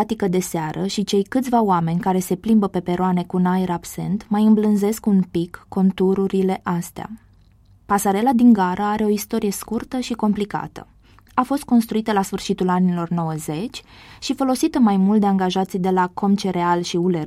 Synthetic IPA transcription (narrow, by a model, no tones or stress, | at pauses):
at̪ikəd̪e̞seaɾʔəʃit͡ʃe̞jkɨt̪sʲvaoame̞nʲkaɾe̞se̞plimbəpe̞pe̞ɾoane̞kunaeɾabse̞̰nt̪majɨmblɨnze̞skunpikːo̞nt̪uɾuɾile̞ʔast̪ea̰ | pasaɾe̞lad̪iŋɡaɾʔəaɾe̞o̞ist̪o̞ɾije̞skurt̪əʃiko̞mplika̰t̪ə̰ | afo̞st̪̚ko̞nst̪ɾuit̪əlasfɨrʃit̪ulanilo̞rno̞wəze̞t͡ʃʲʃifo̞lo̞sit̪əmajmult̪d̪e̞aŋɡaʒat̪sijd̪e̞lako̞mt͡ʃe̞ɾe̞alʃiule̞r